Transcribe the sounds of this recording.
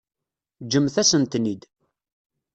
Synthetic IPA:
d͡ʒəmθæsənt̪nid̪

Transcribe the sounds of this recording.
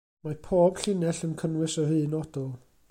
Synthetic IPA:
mapʰoːb̥ɬɪnɛɬənkʰənwɨsɔhɨːnɔd̥ʊlˠ

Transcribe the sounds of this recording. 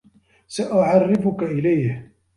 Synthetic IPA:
saʔʊʕɑrːɪfʊkaʔɪlajh

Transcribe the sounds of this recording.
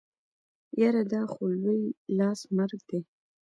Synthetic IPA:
jaɾad̪ɑxolwojlɑsmaɾɡ̚d̪e

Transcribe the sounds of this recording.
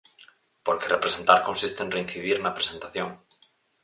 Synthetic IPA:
poɾkerʔepɾesent̪aɾkonsist̪enrein̟θiðiɾnɐpɾesent̪aθjoŋ

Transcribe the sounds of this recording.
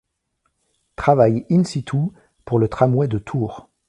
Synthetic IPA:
t̪χavajinsit̪ʰu | puʁlət̪χamwɛd̪ət̪ʰuːʁ

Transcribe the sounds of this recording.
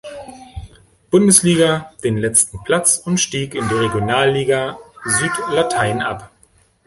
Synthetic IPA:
b̥ʊndəsliːɡɐd̥eːnlɛt͡stn̩pʰl̥at͡sʊntʃtiːkɪndiːʁeɡjonaːlːiːɡazyːtlatʰaɪnʔa̰p

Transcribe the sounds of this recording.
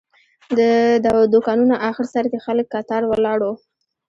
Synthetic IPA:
d̪əd̪awd̪okɑnunaʔaxəɽsaɾd̪exaləkːɑt̪ɑɾwəlɑɽo

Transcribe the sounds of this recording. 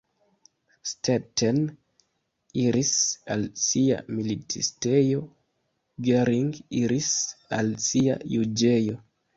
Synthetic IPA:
stetʰen | iɾisalsia̰militiste̞jo̞ | ɡeɾiŋɡiɾisalsia̰jud͡ʒe̞jo̞

